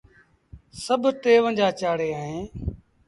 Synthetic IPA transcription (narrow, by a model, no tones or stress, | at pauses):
səbʱt̪eːʋə̃nd͡ʒaːt͡ʃaːɽeːaːɦẽː